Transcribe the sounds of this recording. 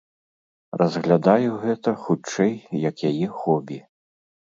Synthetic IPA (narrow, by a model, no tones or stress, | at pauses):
rɐzɣlʲad̪ajuɣɛt̪ɐxut͡ʂɛjjɐkjajɛxɔbʲi